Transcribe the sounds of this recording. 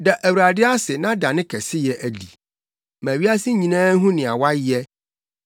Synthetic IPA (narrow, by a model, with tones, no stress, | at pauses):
da˨ʔæ˨wu˨ɾa˨dɪ˦a˦sɪ˨nã˦da˨nɪ̃˦kʰɛ˨sɪ˦jɛ˨ʔæ˨dḭ˨ | mæ̃˨ɥi˦a˦sɪ˦ɲĩ˨nãː˦ɦũ˦nɪ̃˨a˨wa˦jɛ˦